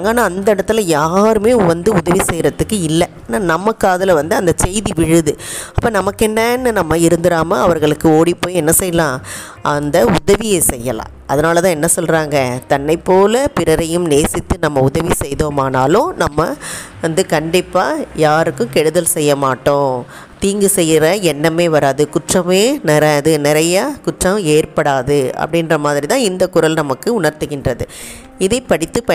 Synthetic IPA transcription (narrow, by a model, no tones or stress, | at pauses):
ŋɡaːnːaːɐnd̪ɐɪɽɐt̪ːɯlɐjaːɾɯmeːʋɐnd̪ɯʊðɐʋisɛjɾɐt̪ːɯkːɯɪlːɐːnaːnɐmːɐkːaːðɐlɐʋɐnd̪ɯɐnd̪ɐt͡ʃɛjðiʋɪɻɯðɯɐpːɐːnɐmɐkːɛɳːɐnːɯnɐmːɐɪɾɯnd̪ɪɾaːmɐɐʋɐɾɣɐɭɯkːɯoːɽipːoːjɛnːɐsɛjːɐlãː | ʔɐnd̪ɐʊðɐʋɪjesɛjːɐlã̰ːʔɐðɐnaːlɐt̪ãːɛnːɐsɔlɾaːŋɡɐt̪ɐnːɐɪpːoːlɐpɪɾɐɾɐjɯmneːsɪt̪ːɯnɐmːɐʊðɐʋisɛjðoːmaːnaːlʊ̃nɐmːɐʋɐnd̪ɯkɐɳɖɪpːaːjaːɾɯkːɯ̃kɛɽɯðɐlsɛjːɐmaːʈːõː | t̪iːŋɡɯsɛjːɪɾɐɛnːɐmeːʋɐɾaːðɯkʊʈrɐmeːnɪɾɐðɯnɪɾɐjaːkʊʈrɐ̃eːrpɐɽaːðɯɐ̰pːɐɽɪnrɐmaːðɪɾit̪ãːɪnd̪ɐkʊɾɐlnɐmɐkːɯʊɳɐɾt̪ɯɣɪndrɐðɯ | ɪðɐɪpːɐɽɪt̪ːɯpɐ